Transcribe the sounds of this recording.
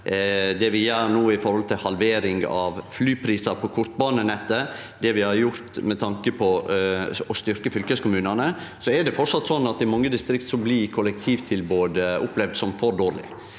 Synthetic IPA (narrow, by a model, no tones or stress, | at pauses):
d̪ɛʋɪjøːɾnoːɪfɔɾhɔlt̪ʰɪlhɑlʋeːɾɪŋɑʋflyːpʰɾiːsɑɾpʰɔkʰʊɾt̪̚bɑːnənɛt̪ːə | d̪ɛʋɪhɑɾjʊɾt̪mɛt̪ʰɑŋkəpʰɔ | ɔst̪ʏɾkəfʏlkəskʊmʉːnɑnəsɔɛɾɖɛfɔʈsɑt̪ːsɔnːɑt̪ɪmɑŋːəd̪ɪst̪ɾɪkt̪sɔmblɪkʰʊlɛkt̪ʰiːʋt̪ʰɪlboːd̪ʊplɛʋd̪sɔmfɔɾɖ̪oːɾɭɪ̰